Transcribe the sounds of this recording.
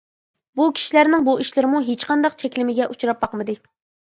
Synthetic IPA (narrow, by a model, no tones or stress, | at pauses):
bukʲʰi̥ʃilæɾnɪŋbuiʃlɪɾɪmuɦet͡ʃqʰɑnd̪ɑqt͡ʃʰɛkʲlɪmɪɡʲɛʔut͡ʃuɾɑp̚bɑqmɨd̪ɨ